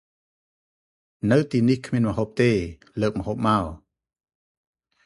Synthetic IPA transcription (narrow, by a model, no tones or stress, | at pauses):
nɨwt̪iːnihkʰmiənməɦoːp̚t̪eː | ləːk̚məɦoːp̚maɔ